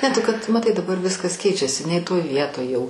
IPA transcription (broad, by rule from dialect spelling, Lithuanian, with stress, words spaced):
nʲɛ tʊ kɐt mɐˈtɐɪ dɐˈbɐr ˈʋʲɪskɐs ˈkʲɛɪt͡ʃʲɛsʲɪ nʲɛɪ toːj ˈʋʲiɛtoːj jɛʊ